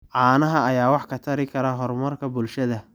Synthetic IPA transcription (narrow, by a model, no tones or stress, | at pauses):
ʕɑːnɐɦɐɐjaːwɑħkʰɐt̪ʰɐɾɪkʰɐɾɐɦɔrmɐrkʰɐbʊlʃɐðɐ